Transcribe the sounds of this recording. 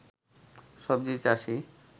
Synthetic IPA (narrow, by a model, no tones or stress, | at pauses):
ʃɔbd͡ʑit͡ɕaʃi